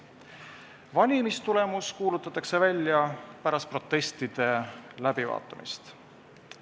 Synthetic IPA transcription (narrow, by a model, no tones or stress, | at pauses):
vɑnʲimist̪ule̞muskuːlut̪ːˑɑt̪ːˑɑkse̞vælʲjɑpæɾɑspro̞t̪ːˑe̞st̪id̪̥e̞læb̥ivɑ̰ːt̪ːˑɑmḭst̪